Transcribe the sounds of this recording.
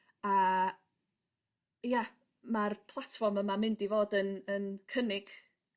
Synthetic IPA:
a | ja | marpʰlˠatʰfɔrməmamɪndivoːdənənkʰənɪɡ̥

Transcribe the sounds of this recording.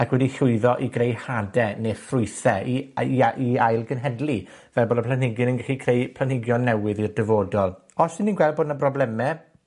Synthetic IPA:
akʰwɛdiɬʊɨðɔʔiɡrejhadɛnefrʊɨjθɛiaʔiajlˠɡənɦɛdlˠi | vɛlˠboːdɔpʰlanhɪɡjɨnənɡɛχikʰrejpʰl̥anhɪɡjɔnːɛwɪðirdəvoːdɔlˠ | ɔsɪniːnɡwɛlˠd̚boːdnəprɔblɛmɛ

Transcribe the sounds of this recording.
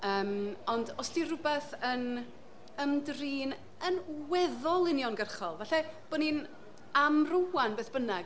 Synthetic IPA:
əːmɔndɔsdirʊbɛθən | əmdriːn | ənwɛðɔlˠɪnjɔnɡərχɔlˠvaɬɛb̥ɔnin | amrʊwanbeːθb̥ənɛɡ

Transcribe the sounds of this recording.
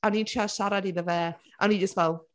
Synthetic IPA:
aniːntʰaʃaɾadiðəvɛː | ʔaniːd͡ʒəstvɛlˠ

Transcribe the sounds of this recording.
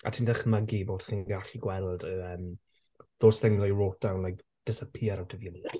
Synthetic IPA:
a̰tʰiːndəχməɡiboːtχiːnɡaɬiɡwɛlˠdəəːm | ðoːsθɪŋzɔjroːt̚d̥awnlajk | d̥ɪsəpʰiaɾawtʰəviəli

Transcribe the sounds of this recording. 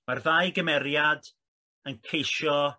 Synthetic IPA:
marðajɡəmɛɾjad | ənkʰejʃɔ

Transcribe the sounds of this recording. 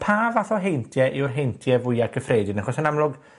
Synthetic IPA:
pʰaːvaθɔɦejntʰjɛʔɪwrɦejntʰjɛvʊjakʰəfreːdɪnaχɔsənamlˠʊɡ

